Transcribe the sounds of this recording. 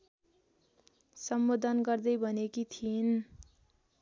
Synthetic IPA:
sʌmbod̪ʱʌnɡʌrd̪ʌjbʱʌnekit̪ʰin

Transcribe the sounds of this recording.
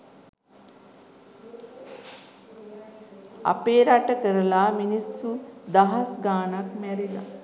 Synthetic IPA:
a̰peːɾaʈəkəɾəlaːminisud̪aɦasɡaːnakmæɾila̰

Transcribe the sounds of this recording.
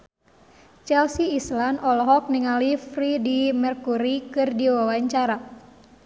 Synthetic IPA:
t͡ʃɛlsiːslanʔɔlɦɔk̚niŋalifridimɛrkuɾikɨrdiwawaɲt͡ʃaɾa

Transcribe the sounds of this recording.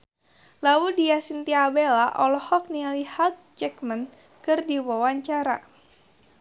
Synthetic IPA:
lawudiasint̪iabelaʔɔlɔhɔk̚nilihat̪̚d͡ʒɛkmən | kɨrdiwawaɲt͡ʃaɾa̰

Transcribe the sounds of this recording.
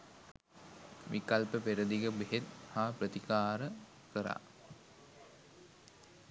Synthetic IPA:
ʋikalpəpeɾəd̪iɡəbeɦet̪̚haːprət̪ikaːɾə | kəɾa̰

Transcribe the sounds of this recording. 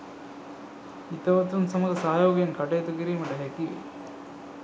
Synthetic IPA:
it̪ːɐʋɐt̪ːɾumsɐmɐɡ̪ɐsaːjoːɡɐjɐnkɐʈːɐjt̪ukiɾimɐʈːɐɦekːḭ

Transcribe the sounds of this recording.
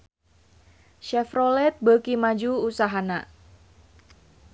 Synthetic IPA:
ʃɛfrɔlɛt̪̚bəkimad͡ʒuːsaɦana

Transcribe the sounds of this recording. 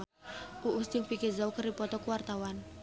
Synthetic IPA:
uʔust̪ɪŋpikizawkəripɔt̪ɔkuwart̪awan

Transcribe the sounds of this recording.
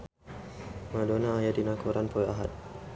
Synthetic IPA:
madonaːjadinakuɾanpəaɦat̪̚

